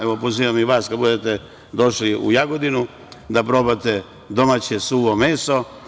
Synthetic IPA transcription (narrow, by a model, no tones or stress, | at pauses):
eʋopoziːʋamiʋaːskad̪bud̪et̪e | d̪o̞ʃliṵjaɡod̪inu | d̪apɾobat̪e | d̪o̞mat͡ɕesuːʋomeːso